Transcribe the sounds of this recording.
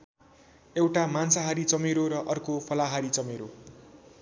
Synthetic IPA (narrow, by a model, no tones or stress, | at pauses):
ewʈamansaɦaɾit͡sʌmeɾoɾʌʔʌrkopʰʌlaɦaɾit͡sʌmeɾo